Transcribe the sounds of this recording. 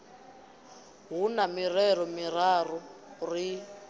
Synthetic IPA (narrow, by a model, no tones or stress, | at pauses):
ɦunamirɛɾɔmirarɔri